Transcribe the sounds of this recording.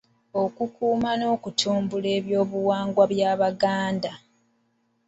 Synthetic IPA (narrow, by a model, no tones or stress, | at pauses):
o̞kukuːmano̞ːkutʰuːmbule̞ːβjo̞ːβuwaːŋɡwaβjaːβaɡaːnda